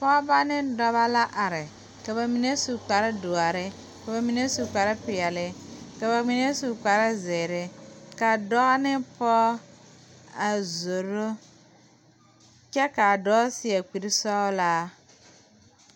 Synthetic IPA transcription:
pɔ˦ba˦nɪ˦dɔ˦βa˦la˦ʔa˨ɾɪ˨ | ka˨ba˨mi˨ne˦su˨k͡pa˨ɾɪ˦dʊ˨a˨ɾɪ˦ | ka˨ba˨mi˨ne˦su˨k͡pa˨ɾɪ˦pɪ˨ɛ˨lɪ˨ka˨ba˨mi˨ne˦su˨k͡pa˨ɾɪ˦zɪ˨ɾɪ˦ka˨dɔ˦ɣa˦nɪ˦pɔ˦ | a˨zo˨ɾo˦ | t͡ʃɛ˦ka˨dɔ˦sɪ˦ɛ˨k͡pi˨ɾi˦sɔ˦la˦

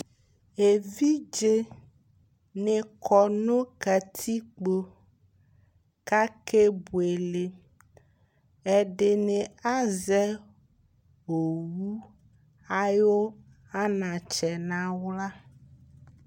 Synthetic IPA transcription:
e˨vi˦d͡ʒe˦ | ne˨kʰɔ˨nõ˦kɛ˨t̪ʰi˦k͡po˦ | ka˦ke˦bu˨e˨le˨ | ɛ˨ɖe˨nẽ˨a˦zɛ˦ | wo˨wu˦ | a˦jo˦ | a˦nã˨t͡ʃɛ˨nã˦wla˦

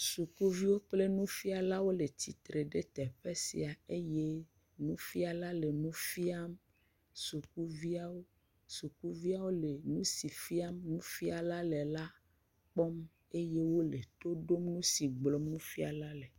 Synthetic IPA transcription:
su˨ku˦vi˦wo˦k͡ple˦nũ˦fi˦a˨la˦wo˦le˨t̪i˨t̪ɾe˨ɖe˦t̪ɛ˨ɸe˦sḭ˨a˨e˦je˦ | nũ˦fi˦a˨la˦le˨nũ˦fi˦a˦m | su˨k̚u˦vi˦a˦wo˦ | su˨ku˦vi˦a˦wo˦le˨nũ˦si˨fi˦a˦mnũ˦fi˦a˨la˦lɛ˨la˦ | k͡pɔ˦m | e˦je˦wo˦le˨t̪o˦ɖo˦mnũ˦si˨ɡ͡blɔ˦mnũ˦fi˦a̰˨la˦lɛ˨

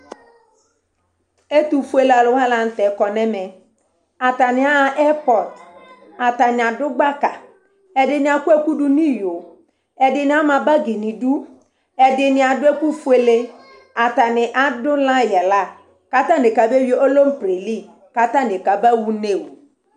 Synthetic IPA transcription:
e˦t̪u˨fu˦e˦˨la˨lʊ˨˦a˦la˨n̩˨tɛ˨˦kɔ˨nɛ˦mɛ˨ | a˨ta˨nɪ˨a˦a˨ʔɛ˦pɔ˨d | a˨t̪a˨nɪ˨a˨dʊ˦ɡ͡ba˦ka˨ | ɛ˨dɪ˨nɪ˨a˨ku˦ɛ˦ku˦du˦nĩ˦jo˨ | ɛ˨dɪ˨nɪ̃˨˦a˦mã˨ba˦ɡe˨nɪ̃˨du˦ | ɛ˨dɪ˨nɪ˨a˨dʊ˦ɛ˦ku˦fu˦e˦le˦ | a˨t̪a˨nɪ˨ʔa˦dʊ˦lã˦jɛ˨la˦˨ | ka˦t̪a˦nɪ˨ka˨be˦wʔo˦lo˦m̩˦pɾe˨li˦˨ | ka˦t̪a˦nɪ˨ka˨ba˦wu˦ne˦˨wu˨

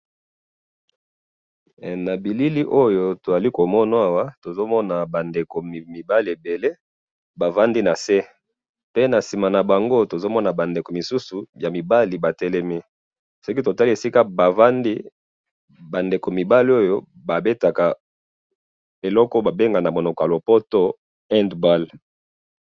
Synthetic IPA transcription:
na˨bi˨li˦li˦ʔo˦jo˦to˨za˨li˦ko˨mɔ˦na˦a˦wa˦to˨zo˦mɔ˦na˨ba˨nde˨ko˨m˨mi˨ba˦li˨e˨be˨le˦ | ba˨va˦ndi˦na˨se˦ | pe˦na˨si˨ma˨na˨ba˨ŋɡo˦to˨zo˦mɔ˦na˨ba˨nde˨ko˨mi˨su˦su˨ja˨mi˨ba˦li˨ba˨tɛ˦lɛ˦mi˦ | sɔ˦ki˦to˨ta˦li˦e˨si˦ka˦ba˨va˦ndi˦ | ba˨nde˨ko˨mi˨ba˦li˦o˦jo˦ | ba˨be˦ta˨ka˨ | e˨lɔ˦kɔ˦ba˨be˦ŋɡa˨na˨mo˨no˨ka˨lo˨po˦to˦ | ɛ˦ndba˦˨l

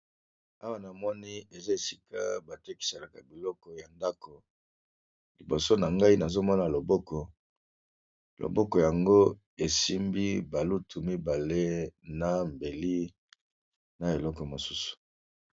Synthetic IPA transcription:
a˦wa˦na˨mɔ˦ni˦e˨za˦e˨si˦ka˦ba˨te˦ki̥˨se˨la˨ka˨bi˨lɔ˦kɔ˨ja˨nda˦kɔ˨ | li˨bo˨so˦na˨ŋɡa˦i˦na˨zo˦mɔ˦na˨lo˨bɔ˦kɔ˨ | lo̰˨bɔ˦kɔ˨ja˨ŋɡo˦ | e˨si˦mbi˦ba˨lu˦tʰu˨mi˦ba˨le˦na˨m˨be˨li˦ | na˨e˨lɔ˦kɔ˨mo˨su˦su̥˨

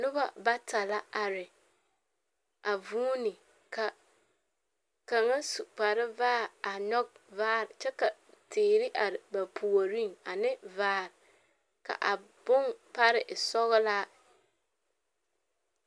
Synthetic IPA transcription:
nʊ˦ba̰˦ba˦ta˨la˦a˨ɾɪ˨ | a˨vuː˦nɪ˨ | ka˨ | ka˨ŋa˦su˨k͡pa˨ɾɪ˦vaː˦a˨nɔ˦k̚vaː˦ɾɪ˨t͡ʃɛ˦ka˨teː˨ɾɪ˦ʔa˨ɾba˨pʰu˨o˨ɾi˦ŋa˨nɪ˦vaː˦ɾɪ˨ | ka̰˨ʔa˨ | b̥ʊ˦ŋpa˦ɾɪ˨ʔɪ˨sɔ˦ɣɪ˦la˦

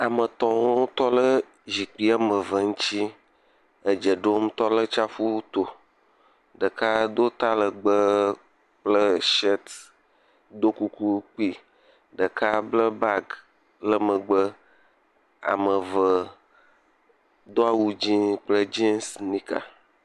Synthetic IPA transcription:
a˨mə˨t̪ɔ̃˨wo˦t̪ɔ˦lə˦ | zi˨k͡pi˦a˦mə˨və˨ŋũ˦t͡ɕi˦ | ə˨d͡ʒə˨ɖo˦m˦t̪ɔ˦lə˦t͡ʃa˦fu˦t̪o˨ | ɖə˨ka˦d̪o˦t̪a˦lə˨ɡ͡bə˦ | k͡plə˦ʃɛ˦t̪ | d̪o˦ku˦ku˦k͡pi˦ | ɖə˨ka˦blə˦ba˦ɡ | lə˦mə˨ɡ͡bə˦ | a̰˨mə˨və˨ | d̪o˦a˨wu˦d͡ʑĩ˦k͡plə˦d͡ʒe˦nsnĩ˦ka̰˨

